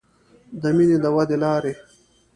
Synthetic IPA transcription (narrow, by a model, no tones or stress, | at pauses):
d̪əmined̪əwad̪elɑːɾe